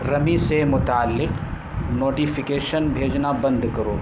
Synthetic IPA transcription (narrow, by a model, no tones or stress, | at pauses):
ɾɐmisemʊt̪aːlːɪq | noːʈiːfɪkeːʃənbʱeːd͡ʒnabɐ̃nd̪kɐɾoː